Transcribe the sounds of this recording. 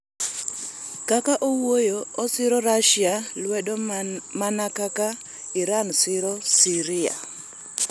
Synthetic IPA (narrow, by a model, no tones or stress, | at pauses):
kakaʔowojoɔsɪɾɔɾaʃialwɛdomanakaka | iɾansɪɾɔsiɾia̰